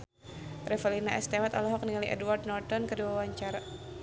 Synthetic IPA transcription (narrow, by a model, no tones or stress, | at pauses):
rɛfəlinaʔɛst̪ɛmat̪alɔɦɔk̚niŋaliʔɛ̰duward̪̚nɔrt̪ɔnkəduawaɲt͡ʃaɾa